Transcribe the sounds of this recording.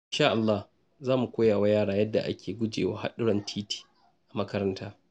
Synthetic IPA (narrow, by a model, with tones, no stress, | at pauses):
ʔʔʔɪ˦nʃaː˦ʔa˨lːaː˦h | zaː˦mu˨kʷoː˦jaː˨waː˦jaː˦ɽaː˦jɐ˦dːa̰˨ʔa̰˦kʲʰeː˨ɡʷʊ˦d͡ʒḛː˨wa̰ː˦ha̰˦ɗʊ˦ɽɔ˨ntʰiː˦ti̥ː˨ | ʔa˨mɐ˦kɐ˦ɾɐ˦ntʰaː˦